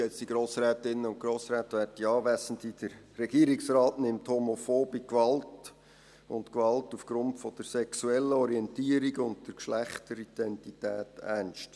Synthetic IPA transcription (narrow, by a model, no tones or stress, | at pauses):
ɛt͡sd̥iɡɾoːsɾɛːtɪnːəʊntɡ̥ɾoːsɾæːtʋæːtiɑːʋæsən̩tid̥əɾːɛɡ̥iːəɾiksrɑːtnɪmthomofoːb̥ikʋɑlt | ʊntkʋɑltufɡ̥ɾʊntfɔd̥əɾsɛksuɛlːəɔɾiɛntiːəɾiɡʊntd̥əɾkʃlæχtəɾid̥ɛntitæːtænʃt